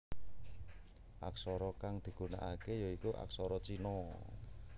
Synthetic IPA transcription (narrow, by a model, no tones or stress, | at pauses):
ʔa̰ksɔɾɔkaŋd̪̥i̤ɡ̥ṳna̰ʔakejɔikuʔa̰ksɔɾɔt͡ʃinɔ